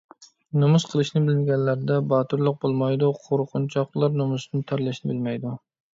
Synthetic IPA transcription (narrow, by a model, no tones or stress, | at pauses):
nomusqʰəlˠɨʃnɪbɪlɪnɡʲɛnːæɾd̪ɛbɑːt̪uɾlˠʊq̚bolˠmɑjd̪uqʰoɾqʰʊnt͡ʃʰɑqlˠɑɾnomusnt̪ʰæɾlæʃnɪbɪlmɛjd̪u